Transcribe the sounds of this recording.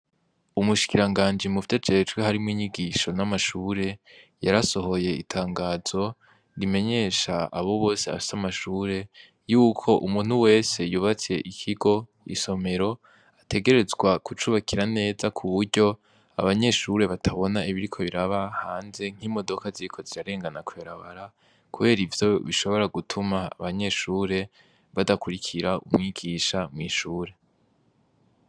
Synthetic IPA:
umuʃi̥kiɾaŋɡaːnd͡ʒimufitad͡ʒet͡ʃɡweɦaɾimŋiːɲiɡiʃo̞namaʃuːɾe̞jaɾaso̞ɦo̞je̞ḭtʰaːŋɡaːz̥o̞ | ɾime̞ɲe̞ʃaaβo̞βo̞ːse̞a̰fi̥samaʃuːɾe̞ | juːkʰo̞ʔumuːn̥uwe̞ːse̞juβat͡se̞ʔikʰiɡo̞ | ḭso̞me̞ɾo̞ | atʰe̞ɡe̞ɾe̞zɡwakut͡ʃuβakʰiɾane̞ːzakʰuβuɾɟo̞ | a̰βaɲe̞ʃuɾe̞βatʰaβo̞naiβiɾikʰo̞βiɾaβahaːnze̞ŋ̥imo̞do̞kaziikʰo̞ziɾaɾe̞ːŋɡanakweɾaβaɾa | kʰuβe̞ːɾivjo̞βiʃo̞βo̞ɾaɡutʰuma̰ːβaɲe̞ʃuːɾe̞ | βadakuɾikʰiɾaṵmŋiːɡiʃamŋiːʃuːɾe̞

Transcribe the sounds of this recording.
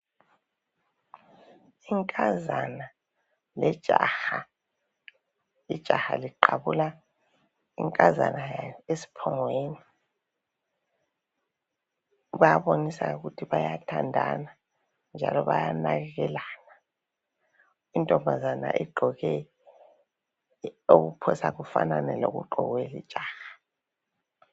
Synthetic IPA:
iŋkʼazana | lɛd̥ʒ̥ʱaːha | id̥ʒ̥ʱahaliǃaβula | iŋkʼaza̰najaesi̥pʰɔŋweːni | ɣujaβonisauɣutʰiβajatʰandʱa̰na | nd͡ʒʱa̰lɔβa̰janaɣɛɣɛlaːna | intʼɔmbʱazana̰ʔɛɡ͡ǃʱɔɣɛ | oɣupʰɔsaɣufa̰nanɛloɣṵɡ͡ǃʱɔɣwɛli̥t͡ʃʼaːhḁ

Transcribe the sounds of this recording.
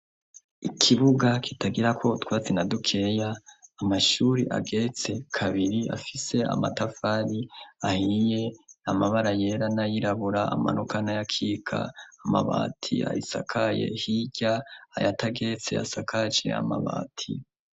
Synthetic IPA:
ikʰiβuɡakʰitaɡiɾakʰo̞utwaːt͡senadukʰe̞jaːmaʃuɾiʔa̰ɡe̞t͡se̞kʰaβiɾia̰fise̞ʔa̰matafaɾiahije̞amaβaɾaje̞ɾanajiɾaβuɾaa̰ma̰nokanajakʰiːkʰa̰ama̰βa̰ːtʰḭa̰hisa̰kʰaje̞̰hiɟ̥a̰ːjatʰaɡe̞t͡sea̰sakʰat͡ʃḛa̰ma̰βa̰ːtʰḭ

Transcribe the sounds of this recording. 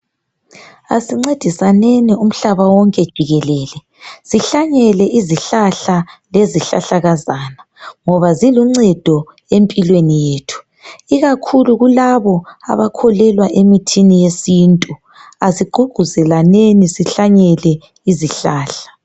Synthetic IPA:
a̰siŋ͡ǀed̥ʱisanenium̩ɬaβawɔŋkʼɛd̥ʒ̥ʱiɣɛlɛːlɛ | ziɬaɲɛlɛʔiziɬaɬaleziɬa̰ɬaɣazaːna | ŋɔβaziluŋ͡ǀɛd̥ʱɔ | empʼilwenijeːtʰu̥ | iɣakʰuluɣulaβɔa̰βakʰɔlɛlwaʔemitʰinijesintʼu | asiɡ͡ǃʱuɡ͡ǃʱuzɛlanenisiɬaɲɛlɛ | iziɬaːɬḁ

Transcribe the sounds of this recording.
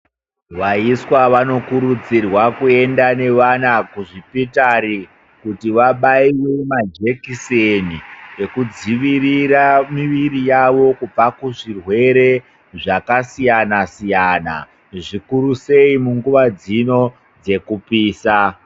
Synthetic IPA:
ʋaiswaʋano̞kuɾud͡zirwakue̞ndane̞ʋanakuʐipitaɾi | kutiʋaɓaiwe̞mad͡ʒe̞kisenije̞kud͡ziʋiriramiʋiɾijaʋo̞kub͡vakuʐirwe̞ɾe̞ | ʐakasijanasijana̰ | ʐikuɾuse̞imuŋɡuʋad͡zino̞ | d͡ze̞kupiːsa

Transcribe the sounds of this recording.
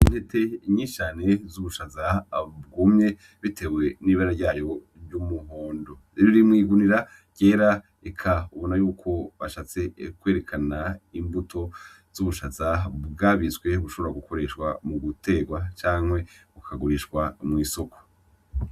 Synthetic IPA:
in̥he̞tʰe̞ɲiːʃane̞zuβuʃazab̚ɡumɲe̞ | βitʰe̞we̞niβaɾaɾɟaːjo̞ | ɾɟumuho̞ːndo̞ | iβiɾimŋiːɡuniɾa | ɟ̥e̞ːɾa | ekʰauβo̞najuːkʰo̞βaʃat͡se̞kwe̞ːɾe̞kʰanaimbutʰo̞ | z̥uβuʃazaβɡaβizɡwe̞βuʃo̞βoɾaɡukʰo̞ɾe̞ʃwa̰muɡutʰe̞ːɡwat͡ʃaːŋwe̞βukʰaɡuɾiʃkwamŋiːso̞kʰo̥

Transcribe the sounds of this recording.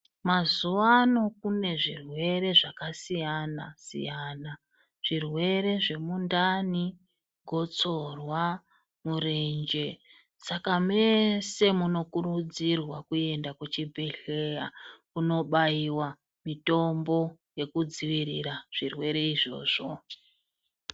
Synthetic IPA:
mazuwano̞kune̞ʐirwe̞ɾe̞ʐakasijanasḭjana | ʐ̥irwe̞ɾe̞ʐe̞mundani | ɡʱo̞t͡so̞rwa | murend͡ʒe̞ | sakamese̞muno̞kurud͡zirwakue̞ndakut͡ʃibʱeɬejakuno̞ɓaiwa | mito̞mbo̞je̞kud͡ziʋiɾiraʐ̥irwe̞ɾe̞iʐo̞̰ːʐ̥o̞

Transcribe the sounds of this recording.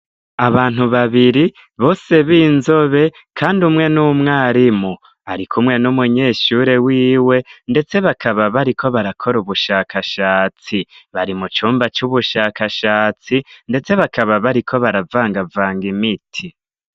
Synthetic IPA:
aβaːn̥uβaβiɾi | βo̞ːse̞βiːnzo̞βe̞ | kʰaːndumŋe̞numŋaːɾimu | aɾikʰumŋe̞numuɲe̞ːʃuːɾe̞wiːwe̞nde̞t͡se̞βakʰaβaβaɾikʰo̞βaɾakʰo̞ɾuβuʃaːkʰaʃaːt͡siβaɾimut͡ʃuːmbat͡ʃuβuʃaːkaʃaːt͡sinde̞t͡se̞βakʰaβaβaɾikʰo̞βaɾavaːŋɡavaːŋɡimitʰi

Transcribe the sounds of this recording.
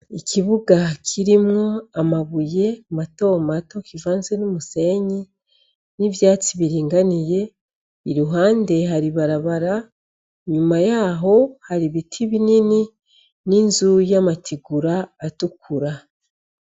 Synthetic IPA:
ikʰiβuɡakʰiɾimŋoamaβuje̞mato̞ːmato̞kivaːnzenumuse̞ːɲi | nivjaːt͡siβiɾiːŋɡanije̞ | iɾuɦaːnde̞ɦaɾiβaɾaβaɾa | ɲumajaːɦo̞haɾiβitʰiβinini | ninzujamatʰiɡuɾaːtukuɾa

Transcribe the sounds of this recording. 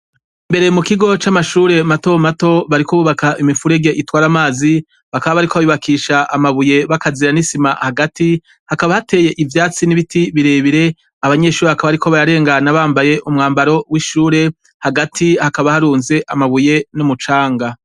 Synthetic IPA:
mbe̞ɾe̞mukiɡo̞t͡ʃamaʃuːɾe̞mato̞mato̞βaɾikoβuβakaʔimifuɾe̞ɡe̞ʔitwaːɾamaːzi | βakaβaβaɾikoaiβakʰiːʃaʔamaβuje̞βakaziɾanisimahaɡati | hakaβahate̞ːje̞ʔivjaːt͡siniβitiβiɾe̞βiɾe̞ | aβaɲe̞ʃuːɾeβakaβaɾikʰo̞βaɾaɾe̞ːŋɡanaβaːmbaje̞ʔumŋaːmbaɾo̞wiʃuːɾe̞ | haɡatʰihakaβahaɾuːnze̞ʔamaβuje̞numut͡ʃaːŋɡa

